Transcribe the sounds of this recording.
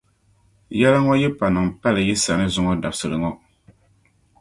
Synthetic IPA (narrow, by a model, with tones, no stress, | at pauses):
jɛ˦la˦ŋɔ˦jɛ˦pa˨nɨ˨ŋpa˦lɨ˨jɛ˦sa˨nɨ˦zʊ˦ŋɔ˦da˨bsɨ˨ɾɨ˨ŋɔ˦